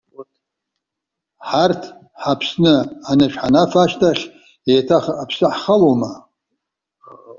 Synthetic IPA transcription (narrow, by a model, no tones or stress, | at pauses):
ħartʰ | ħapʰsnɨanɨʂħanafaʃtʰaχʲ | ejtʰaχapʰsɨħχaloma